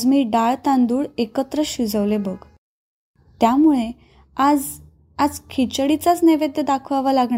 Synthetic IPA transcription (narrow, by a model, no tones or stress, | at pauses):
d͡zmiːɖaɭt̪ãnd̪uːɭekət̪ɾəɕud͡zəʋlebəɡ | t̪jamuɭe | ad͡z | ad͡zkʰit͡ɕɽit͡sat͡sneʋed̪jəd̪akʰʋaʋalaɡɳa